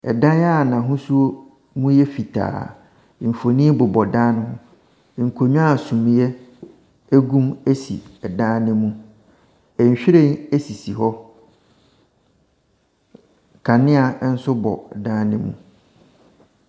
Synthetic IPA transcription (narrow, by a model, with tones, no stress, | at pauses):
ɛ˨dã˦n˦a˦˨nã˨ɦʊ̃˦su˦o˦ | mũ˦jɛ˦fi˨tʰa̰ː˨ | m̩˨fo˨nĩ˦bʊ˨bɔ˨dã˦nʊ̃˦hʊ̃˦˨ | ŋ̩˨kʰo˨ɲũ˦a˦˨sũ˨m̃˨jɛ˦ | æ˦ɡũ˦mæ˦sḭ˨ɛ˨dã˦nɪ̃˦mũ˦ | ɛ˨ɲ̩˨ɕᶣɪ˦ɾẽ˦˨næ˦si˨si˨ɦɔ˦ | kʰa˨nɪ̃˦a˨˦n̩˦sʊ˦bɔ̰˨dã˦nɪ̃˦mṵ̃˦